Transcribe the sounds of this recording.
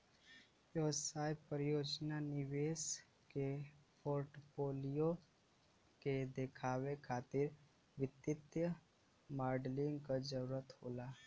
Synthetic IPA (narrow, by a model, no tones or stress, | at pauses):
oːsaːjpəɾjoːd͡ʒnanɪʋeːs | kepʰoːɾʈpoːlijo | ked̪ekʰaːwekʰaːt̪ɪɾ | ʋɪt̪ɪt̪jə | maːɾɖlɪŋɡkad͡ʒəɾuɾət̪hoːlaː